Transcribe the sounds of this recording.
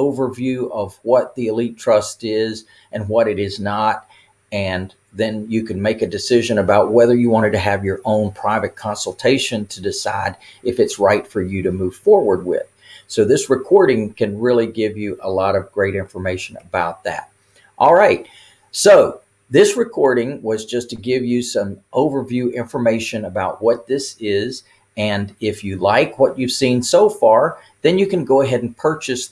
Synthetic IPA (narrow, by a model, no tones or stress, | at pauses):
oʊvə˞vjʉʌvwʌt̪̚ðiɨlitʰɹ̥ʌstɪz | ʔɨ̃nwʌɾɨɾɪznəɾ | ɨ̃n | ðɨ̃njɨkɨ̃nmeɪkɨdɨsɪʒɨ̃nɨbaʊt̚wɛðə˞jɨwɑ̃ɾ̃ɨd̚tɨːvjə˞ʔõʊ̃npʰɹ̥aɪvɨt̚kʰɑ̃nsl̩ˠtʰeɪʃɨ̃ntʰɨdɨsa̰ɪɾ | ɨfɨtsɹaɪtfə˞jɨɾɨmuv̥fɔɹwə˞d̚wɪ̰ð̥soʊðɪsɹɨkʰɔɹɾɪ̃ŋkʰɨ̃nɹɪlˠiɡɪvjɨʔəlɔɾʌvɡɹeɪɾɪ̃ɱfə˞meɪʃɨ̃nə̰baʊt̪̚ðæ̰t̚ | ʔɔlˠɹaɪt̚ | soʊ | ðɪsɹɨkʰɔɹɾɪ̃ŋwʌzd͡ʒʌstʰɨɡɪvjɨsʌ̃mʔoʊvə˞vjʉʔɪ̃ɱfə˞meɪʃɨ̃nəbaʊt̚wʌt̪̚ðɪsɪz | ɨ̃nɪfjɨlaɪkwʌt͡ʃʉv̥sĩnsoʊfɑɹ | ðɨ̃njɨkɨ̃nɡoʊəɦɛɾn̩pʰɜ˞t͡ʃɨs